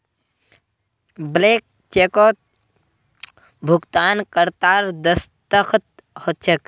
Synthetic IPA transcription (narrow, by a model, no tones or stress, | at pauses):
blek̚ | t͡ʃekɔt̪̚ | bʱuɡt̪ankəɾt̪aɾd̪əst̪əkʰt̪̚ | hot̪̚t͡ʃʰək